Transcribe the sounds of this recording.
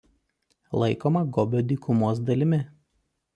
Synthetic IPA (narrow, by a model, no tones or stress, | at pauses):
lˠɐɪkoːmɐɡɔbʲod̪ʲiːkʰʊmoːs̬d̪ɐlʲɪmʲɪ